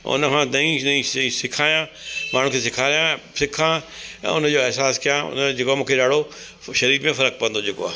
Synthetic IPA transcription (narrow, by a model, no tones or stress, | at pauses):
ʊ̰nəkʰãdɐĩnɐĩĩsɪkʰaːjãmaːɳ̤ũkʰeːs̬ɪkʰaːɾijãsɪkʰãɛ̰̃ːʊnə̆d͡ʑoːɛɦsaːskijãʊ̰nd͡ʑeːkoaːmũːkʰeɗaːɽo | ʃɐɾiːɾmẽfɐɾək̚pɐə̃nd̪od͡ʑeːko̰a̰ː